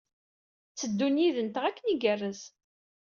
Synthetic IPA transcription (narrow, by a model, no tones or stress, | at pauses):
t͡sːəd̪ːunjiðənt̪əʁækːəniɡərːəz